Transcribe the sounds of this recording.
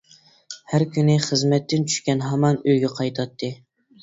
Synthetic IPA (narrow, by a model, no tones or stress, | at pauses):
hæɾkʲynɪχəzmɛt̪ːɪnt͡ʃʰy̥ʃkʲɛnɦɑmɑnøjɡʲɛqʰɑjt̪ʰɑt̪ʰːɨ